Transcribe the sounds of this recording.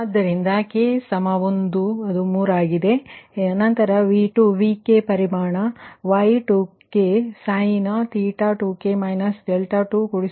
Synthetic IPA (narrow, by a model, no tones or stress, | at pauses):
ad̪ːɐɾind̪ɐkeːsɐmɐʋond̪uɐd̪umuːɾaːɡid̪e̞nɐnt̪ɐɾɐʋiːʈuʋiːkepɐɾimaːɳɐʋaːjʈukesaːjnɐt̪iːʈaːʈuːkemɐjnɐsɖɛlʈaːʈuːkuɽis